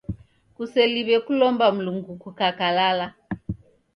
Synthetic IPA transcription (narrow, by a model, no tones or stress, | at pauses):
kusɛliβɛkulɔmbam̩luŋɡukukakalala